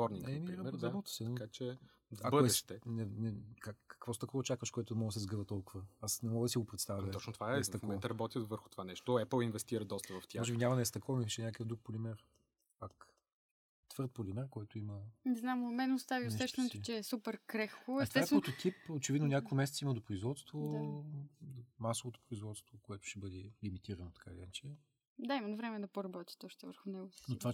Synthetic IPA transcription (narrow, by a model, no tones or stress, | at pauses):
vɔɾniɛmiiɾɐɛɾɐbɔt̪i̥sɛnkat͡ʃɛ | akbədɛsʃt̪ɛnɛnɛkakːɐ̥kv̥ɔst̪ɐkɔvət͡ʃakvəʃkoɛt̪ʊmɔɡ̪əsɛzɡɤvət̪ɔlˠkʊvəasnɛmɔɡəd̪ɐsiɡopɾɛt̪st̪avʲjəɔt͡ʃnot̪ovaɛɛst̪ɐkmmɛ̃nt̪əɾɐbɔt̪ʲivəɾxʊ̥t̪ovanɛʃt̪ʊɛplˠinvɛst̪iɾəd̪ɔst̪ɐvɐft̪ʲjaɔʒɛbinʲamɐnɛst̪ɐkɔmixʃɛnʲakəkəvd̪ɾuk̚polʲimɛɾ | pak | t̪vɤɾt̪̚polʲimɛɾkoɛt̪ʊimənɛznamomɛnɛʊst̪aviʊsɛʃt̪ɛnot̪ot͡ʃɛːsupɛɾkɾɛxkoɛsɛsaɛot̪ot̪ʰipot͡ʃɛvid̪nonʲakokimɛsɛt̪siməd̪opɾoizvɔt̪st̪voa | masovot̪o̥pɾʊizvɔt̪st̪vokoɛt̪ʊ̥ʃɛbɤd̪ɛlimit̪iɾɐnot̪ɐ̥kalʲinat͡ʃɛ | d̪aimɐnvɾɛmɛd̪ɐpoɾɐbɔt̪ʲi̥t̪ɔʃt̪ɛvəɾxʊnɛɡʊsnott̪ova